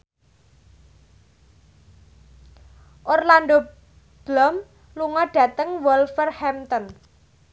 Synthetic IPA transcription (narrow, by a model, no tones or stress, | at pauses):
ʔorland̪o | b̥lɔm | luŋɔɖ̥ä̤t̪əŋwɔlfərhɛmt̪ɔn